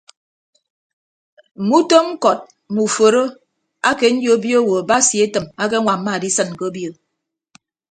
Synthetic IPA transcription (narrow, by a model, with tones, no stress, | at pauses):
m̩˨mu˦to˦ŋ̩˦kɔ˨t̚ | mu˨fo˨ɾo˦ | a˦ke˨n̩˦d͡ʒjo˨˦bjo˦˨wo˨ba˦sji˨e˦tɨ˨ma˦k̬e˦ŋʷa˨m̩˦ma˦˨di˦sɨ˦˨n˨ko˦o˦bjo˨